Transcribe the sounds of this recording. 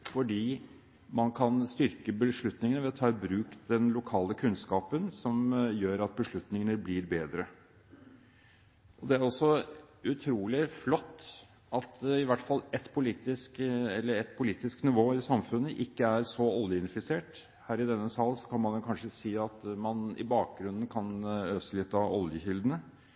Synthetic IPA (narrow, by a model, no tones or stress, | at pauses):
fɔɖiː | mɑnkʰɑnst̪ʏɾkəbəʂɭʉt̪nɪŋənəʋɛɔt̪ʰɑːbɾʉːkd̪ɛnlʊkʰɑːləkʰʉnskɑːpənsɔmjøːɾɑt̪̚bəʂɭʉt̪nɪŋənəblɪɾbeːd̪ɾə | ʔɔd̪ɛæɾɔsɔʉt̪ʰɾuːlɪflɔt̪ː | ɑt̪ɪʋæʈːfɑlɛt̪pʰʊliːt̪ɪskɛlːəɾɛt̪pʰʊliːt̪ɪsknɪʋoːɪsɑmfʉnːəʔɪkːəæɾsɔɔljəɪnfɪseːʈ | hæːɾɪd̪ɛnːəsɑlːsɔkʰɑnmɑnɛkʰɑnʂəsiːɑt̪mɑnɪ̰bɑːk̚ɡɾʉnən̩kʰɑnøːsəlɪt̪ːɑɔljəçʏld̪ənə